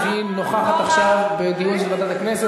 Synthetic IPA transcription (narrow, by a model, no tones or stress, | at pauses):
i | noχaχat̪aχʃavbed̪ijunʃelvad̪at̪aknese